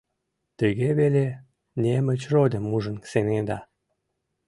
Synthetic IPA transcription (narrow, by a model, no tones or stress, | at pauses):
t̪əɣeβele | nʲemət͡ɕrod̪ʲə̆mːuʒə̆nsened̪ɑ